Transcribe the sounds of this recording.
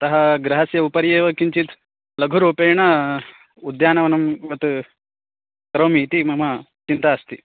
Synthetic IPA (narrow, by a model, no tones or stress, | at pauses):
t̪ɐɦɐɡɾɐɦɐsjɐupɐɾjeːʋɐkiɲt͡ʃit̪ | lɐɡʱuɾupeːɳɐ | ud̪jaːnɐʋɐnɐmʋɐt̪ | kɾɐwmit̪imɐmɐ | t͡ʃint̪aːst̪i